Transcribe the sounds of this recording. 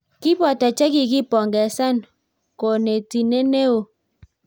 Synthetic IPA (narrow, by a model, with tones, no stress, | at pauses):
ki˦pɔ˨ta˨t͡ʃa˦ki˨ki˦pɔ˨ŋɡɛ˨sa˦˨n | ko˨ne˨ti˨ne˦ne˦o˨